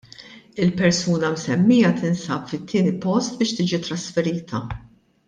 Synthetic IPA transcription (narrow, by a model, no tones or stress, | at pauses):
ɪlpɛɾsuːnɐmsɛmːiːjɐt̪ɪnsɐːpfɪt̪ʰːiːnipɔst̪̚bɪːʃt̪iːd͡ʒit̪ɾɐsfɛɾiːt̪ʰɐ